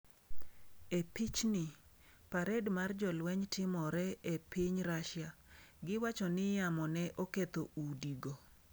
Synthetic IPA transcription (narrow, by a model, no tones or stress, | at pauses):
epit͡ʃnɪ | paɾɛdmard͡ʒɔlwɛɲtʰɪmɔɾɛepiɲɾaʃɪja | ɡɪwat͡ʃɔnɪjamɔnɛʔoket̪oudiɡo